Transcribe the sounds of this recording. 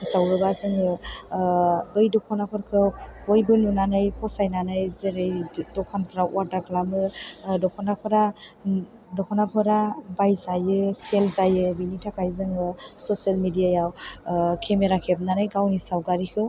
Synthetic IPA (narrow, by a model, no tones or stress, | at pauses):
sawɾɯbazɯŋɯ | bɯjdɔkʰɔnapʰɯɾkʰɯbɔjbɯnunanɯjpʰɔsajnanɯjzeɾejdɔkʰanpʰɾawaɾdaklamɯdɔkʰɔnapʰɯɾa | dɔkʰɔnapʰɯɾabajzajɯselzajɯbinitʰakʰajzɯŋɯsɔsialmidijajawkʰemeɾakʰeb̚nanɯjɡawnisawɡaɾikʰɯ